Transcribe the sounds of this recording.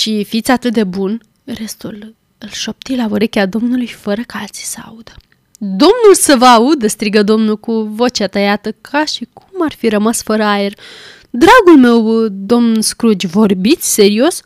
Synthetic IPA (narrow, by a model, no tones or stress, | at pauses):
ʃifit̪sʲat̪ɨt̪̚d̪e̞bun | re̞st̪ul | ɨlʃo̞p̚t̪ilavoɾe̞kʲead̪o̞mnulujfəɾəkalt̪si̥səa̰ud̪ə̥ | d̪o̞mnulsəvəaud̪əst̪ɾiɡəd̪o̞mnulkuvo̞t͡ʃat̪ajat̪əkʰaʃikʰumarfiɾəmasfəɾəaer | d̪ɾaɡulme̞wd̪o̞mnskɾud͡ʒʲvo̞rbit̪sʲse̞ɾio̞s